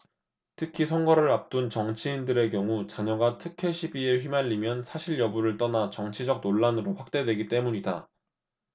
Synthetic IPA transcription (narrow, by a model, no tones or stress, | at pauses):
tʰɯkʰisʰʌŋɡʌɾɯɭap̚t͈unt͡ɕʌŋt͡ɕʰiindɯɾe̞kjʌŋut͡ɕaɲʌɡatʰɯkʰe̞ɕʰibie̞ɸɥimaʎːimjʌnsʰaɕʰiɭjʌbuɾɯɭt͈ʌnat͡ɕʌŋt͡ɕʰid͡ʑʌk̚noɭːanɯɾoɸwak̚t͈e̞dwe̞ɡit͈e̞muɲida